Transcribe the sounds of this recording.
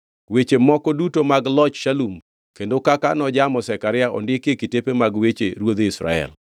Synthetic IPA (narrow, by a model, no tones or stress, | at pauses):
wet͡ʃemɔkɔdutomaɡlɔt͡ʃʃalum | kendokakanɔd͡ʒamɔsɛkaɾɪaʔɔ̰ndɪkekitepemaɡwet͡ʃeɾwod̪ɪsɾa̰ɛ̰l